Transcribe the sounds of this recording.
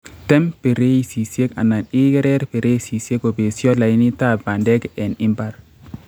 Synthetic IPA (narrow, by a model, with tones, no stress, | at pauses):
tɛ˦mpe˨ɾe˦i˨si˨sje˦ka̰˨na˨ni˦ɡɛ˦ɾɛ˦ɾpe˨ɾe˦i˦si˨sje˦ko˨be˨sjɔ˦la˨i˦ni˦ta˦˨ba˨ndɛ˦kɛ˨nɪ˦mba˦ɾ